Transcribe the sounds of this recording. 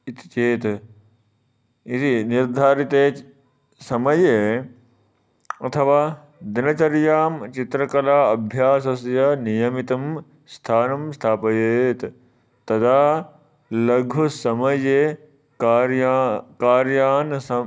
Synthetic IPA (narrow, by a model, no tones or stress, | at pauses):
it̪i̥t͡ʃeːt̪ | isiniɾd̪ʱaːɾit̪eː | sɐmɐje | ɐt̪ʰɐʋaː | d̪inɐt͡ʃɐɾjaːmt͡ʃit̪ɾɐkɐlaːɐbʱjaːsɐsjɐnijɐmit̪ɐm | st̪ʰaːnɐmst̪ʰaːpɐjeːt̪ | t̪ːɐd̪aː | lɐɡʱʋusɐmɐje | ɾjakaːɾjaːnsɐ